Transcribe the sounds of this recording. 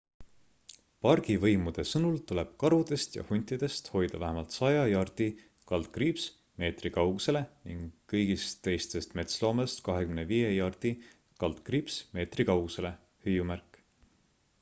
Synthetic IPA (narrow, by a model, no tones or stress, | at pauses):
pɑrɡ̥ivɤjmud̪̥e̞sɤnult̪ule̞b̥kɑɾud̪̥e̞st̪jɑ̰hunʲt̪ːˑid̪̥e̞st̪ho̞jd̪̥ɑvæɦemɑlt̪sɑjɑjɑrd̪̥i | kɑld̪̥̚krips | me̞ːt̪rikɑwɡ̥use̞le̞niŋɡːɤjɡ̥ist̪ːe̞jst̪e̞st̪me̞t̪slo̞ːmɑst̪kɑɦe̞kymneviːjejɑrd̪̥i | kɑld̪̥kriːpsme̞ːt̪rikɑwɡ̥use̞le̞ | hyjumærkːˑ